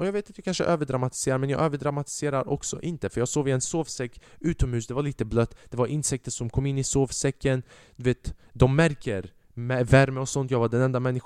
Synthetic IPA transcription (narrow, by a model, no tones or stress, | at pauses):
ʔɔjɑːɡveːt̪at̪jɑkʰanʂə̰ʔøːvəɖɾamat̪ɪ̥seːɾaɾmɛnjɑ̰ːɡøːvəɖɾamat̪ɪ̥seːɾaɾʔɔ̰ksɔ̰ʔɪnt̪əfœɾjɑːɡsoːɡvɪɛnsoːvsɛkːʉ̟ːt̪ɔmhʉ̟ːsd̪ɛvaɭiːt̪əblœt̪ːd̪̥ɛvaɾʔɪnsɛk̚t̪əʂɔmkʰɔmːɪnːɪsoːvsɛkːən | d̪ɵveːt̪d̪ɔmːæɾkəɾ | mɛvæɾməɔsɔnt̪jɑːɡvaɖɛnɛnd̪amɛnːɪx